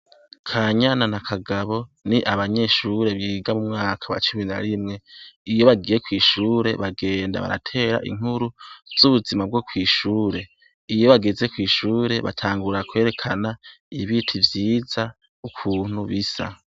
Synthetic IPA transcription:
kʰaːɲananakʰaɡaβo̞niʔaβaɲe̞ːʃuɾe̞βiːɡamumŋaːkʰawa̰t͡ʃumiɾina̰ɾimŋe̞ijo̞βaɡiːje̞kwiːʃuːɾe̞βaɡe̞ːnda̰βa̰ɾa̰tʰe̞ːɾa̰ʔḭŋ̥uɾuvz̥uβuzimab̚ɡo̞kʰwiːʃuːɾe̞ | ijo̞βaɡeze̞kwiːʃuːɾe̞βa̰tʰaːŋɡuɾakwe̞ːɾe̞kʰana | iβitʰivjiːza | ukʰuːn̥huβisa̰

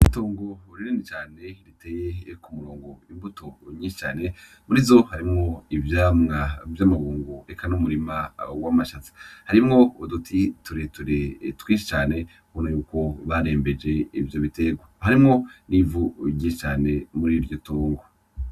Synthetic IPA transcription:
itoːŋɡo̞ɾiɾenet͡ʃaːne̞ɾiteːjekumuɾoːŋɡo̞imbutoɲiːʃi̥t͡ʃaːne̞ | muɾizo̞haɾimŋo̞ivjaːmŋavjamaɡuːŋɡuekʰanumuɾimawamaʃat͡sḁhaɾimŋo̞udutʰituɾetuɾetwiːnʃit͡ʃaːne̞ | honajuːko̞βaɾe̞ːmbe̞d͡ʒe̞ivjo̞βite̞ɡwahaɾimŋo̞nivuɟit͡ʃaːne̞muɾiɾjotoːŋɡo

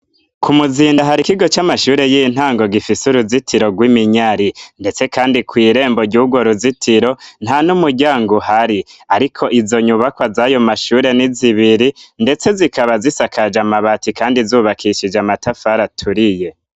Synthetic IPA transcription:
kʰumuziːndaɦaɾikiɡo̞t͡ʃamaʃuːɾe̞jin̥haːŋɡo̞ɡifisuɾuzitiɾo̞ɡwimiɲaɾinde̞t͡se̞kaːndikwiːɾe̞ːmbo̞ɾɟuːɡwoɾuzitʰiɾo̞n̥hanumuɾɟaːŋɡuhaɾiaɾikʰo̞ʔizo̞ɲuβakwazajo̞maʃuːɾe̞niziβiɾinde̞t͡se̞zikʰaβazisakʰad͡ʒamaβatikaːndizuːβakʰiʃid͡ʒamatafaɾatʰuɾije̞

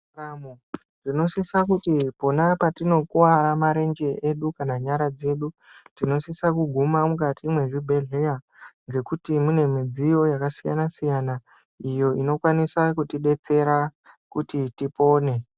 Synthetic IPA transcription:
ramu | rino̞sisakutipo̞napatino̞kuwaɾamaɾe̞nd͡ʒe̞ʔeɗukanaɲaɾad͡ze̞ːɗu | tino̞sisakuɡʱumamukatiːmwe̞ʐibʱe̞ɮeja | ŋɡe̞kutimune̞mid͡zijo̞jakasija̰nasijana | ijo̞ino̞kwanisakutiɓe̞t͡se̞ɾa | kutitipo̞ːne̞

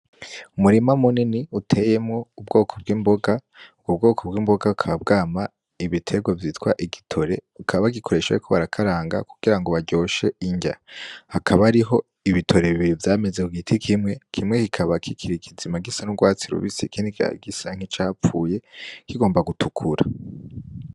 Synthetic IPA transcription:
umuɾimamuniniutʰe̞je̞mŋo̞ub̚ɡo̞ːkʰob̚ɡiːmbo̞ɡa | uɡubɡo̞ːkʰob̚ɡiːmbo̞ɡaukʰaβab̚ɡaːma | iβitʰe̞ɡwavjiːtwaʔiɡitʰo̞ɾe̞ukʰaβaɡikʰo̞ɾe̞ʃḛkʰo̞βaɾakʰaɾaːŋɡa̰ku̥ɡ̥iɾaŋɡo̞βaɟo̞ːʃe̞iɲɟa̰hakʰaβaɾiɦo̞ | iβitʰo̞ɾe̞βivjaːme̞zekuɡitʰikʰimŋe̞kʰimŋe̞kikʰaβakʰikʰiɾiɡizimaɡisanuɡwaːt͡siɾṵβḭsikindia̰ɡisaŋ̥it͡ʃaːp͡fuːje̞kiɡo̞ːmbaɡutʰukʰuɾa̰

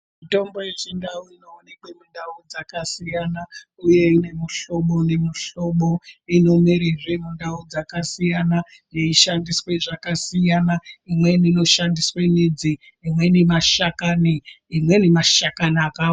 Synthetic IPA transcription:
mito̞mbo̞jet͡ʃindauinoːnekemindaud͡zakasijana | uje̞ine̞miɬo̞ɓo̞nemiɬo̞ɓo̞ino̞miɾeʐe̞mundaud͡zakasijana | jeiʃandiswe̞ʐakasijanaimwe̞nino̞ʃandiswenid͡ziː | mwe̞nemaʃakani | imwe̞nemaʃakanaːka

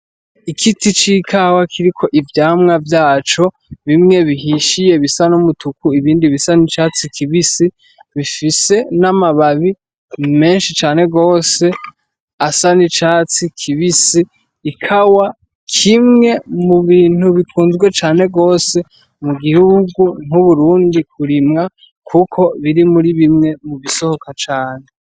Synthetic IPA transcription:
ikʰitʰit͡ʃikʰawakʰiɾikʰo̞ʔivjaːmŋavjaːt͡ʃo̞ | βimŋe̞βiɦiʃije̞βisanomutukuiβiːndiβisanit͡ʃaːt͡sikʰiβisi | βifise̞namaβaβi | me̞ːnʃit͡ʃaːne̞ɡo̞ːse̞ | asanit͡ʃaːt͡sikʰiβisiː | kʰawa | kʰimŋe̞muβiːn̥huβikʰuːnzɡwe̞t͡ʃaːne̞ɡo̞ːse̞ | muɡihuɡun̥huβuɾuːndik̚ʰuɾimŋa | kʰukʰo̞βiɾimuɾiβimŋe̞muβiso̞ho̞kat͡ʃaːne̞

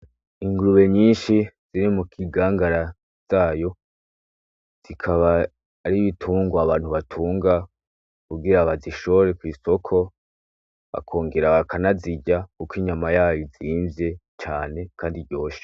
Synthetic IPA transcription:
iŋɡɾuβe̞ɲiːnʃiz̥iɾimukʰiɡaːŋɡaɾa | z̥aːjo̞ | z̥ikʰaβaː | ɾiβitʰuːŋɡwaaβaːn̥huβatʰuːŋɡa | kubɡiɾaβaziʃoɾe̞kwiːso̞kʰo̞ | βa̰kʰo̞ːŋɡeɾaβakʰanaziɟakukiɲamajaːjoziːnve̞ | t͡ʃaːne̞kʰaːndiɾɟo̞ːʃe̥

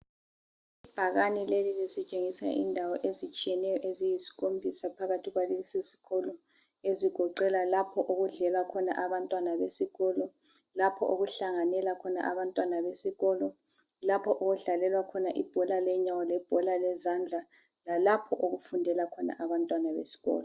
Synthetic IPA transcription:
ib̥ʱaɣanilelilisit͡ʃʼeŋisa̰ʔḭndʱawɔʔezit͡ʃʼijɛnɛjɔʔezijisi̥ɣombʱisapʰaɣatʰiɣwalisisi̥ɣɔlɔ | eziɡ̥ʱɔǃɛlalapʰɔʔoɣuɮɛlwakʰɔna̰ʔaβantʼwanaβesiɣɔlɔ | lapʰɔʔoɣuɬaŋanɛlakʰɔna̰ʔaβantʼwanaβesiɣɔːlɔ | lapʰɔʔoɣuɮalɛlwakʰɔnaʔib̥ʱɔlalɛɲawɔlɛb̥ʱɔlalɛzand͡ɮʱa | lalapʰɔʔoɣufundʱɛlakʰɔna̰ʔaβantʼwanaβḛsi̥ɣɔ̰ːlɔ

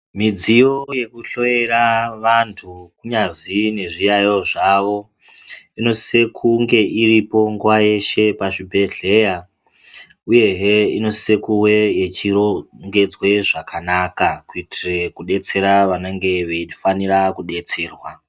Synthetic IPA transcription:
mid͡zijo̞je̞kuɬo̞jeraʋantʰukuɲazine̞ʐijajo̞ʐaʋo̞ | ino̞sse̞kʰuŋɡe̞ʔiripo̞ŋɡuwaje̞ʃe̞paʂibʱe̞ɮe̞ja | uje̞ɦeino̞se̞kuwe̞jet͡ʃiroŋɡe̞d͡zwe̞ʐakʰanaːkakuitʰire̞kuɗe̞t͡se̞ɾaʋaneŋɡe̞ʋeifanirakuɗe̞t͡se̞ːrwa

